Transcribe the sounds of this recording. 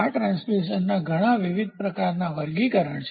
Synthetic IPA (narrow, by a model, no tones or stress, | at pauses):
aʈɾãnsmiʃənːaɡʱəɽ̃aʋiʋid̪̚pɾəkaɾnaʋəɾɡikəɾəɳt͡ʃʰ